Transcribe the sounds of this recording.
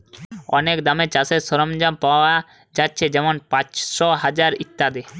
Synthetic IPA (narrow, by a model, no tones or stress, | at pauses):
ɔ̰nekd̪amet͡ɕaseɾsɔɾomd͡ʑampawa | d͡ʑatːɕʰed͡ʑɛmonpãtʃɔɦad͡ʑaɾit̪ːad̪e